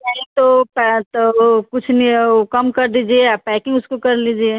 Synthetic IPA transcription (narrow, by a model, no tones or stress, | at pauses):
naɦĩt̪opt̪okʊt͡ʃʰnikɐmkəɾd̪id͡ʒieapɛkɪ̃ŋɡʊskokɐɾlid͡ʒie